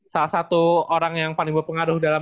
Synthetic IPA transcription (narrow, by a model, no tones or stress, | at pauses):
salahsat̪uoɾaŋjaŋpalɪŋbərpəŋaɾʊhdala